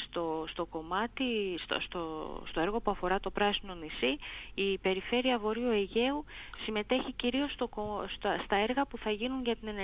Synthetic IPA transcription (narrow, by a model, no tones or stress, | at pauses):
st̪ost̪o̞ko̞mɐt̪ist̪o̰st̪o̰st̪o̞e̞ɾɣo̞puɐfo̞ɾɐt̪o̞pɾɐsino̞nisiipe̞ɾife̞ɾiɐvo̞ɾioe̞ʝe̞u | sime̞t̪e̞çiciɾio̞st̪okost̪ɐst̪ɐe̞ɾɣɐpuθɐʝinunʝɐt̪ine̞ne